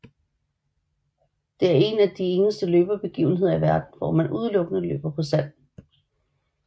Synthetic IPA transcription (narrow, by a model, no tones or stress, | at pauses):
d̥e̝æɐe̝næd̥ie̝nəsd̥əløːb̥ɐb̥e̝ɡ̥ḭʊn̩ɦe̝ð̞̰ˠɐiʋæɐd̥n̩ʋɒ̰mænʔuð̞ˠəlɔ̽ɡ̥ənəlø̰ːb̥ɐpʰɒ̽sæn̰